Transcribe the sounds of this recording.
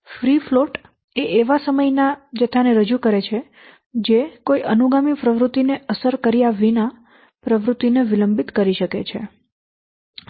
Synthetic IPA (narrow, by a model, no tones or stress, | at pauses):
fɾifloʈ | eʔeʋasəməjnad͡ʒət̪ʰaneɾəd͡ʒukəɾet͡ʃʰe | d͡ʒekoiʔənuɡamipɾəʋɾut̪ːineəsəɾkəɾijaʋina | pɾəʋɾut̪ːineʋiləmbit̪kəɾiʃəkḛt͡ʃʰḛ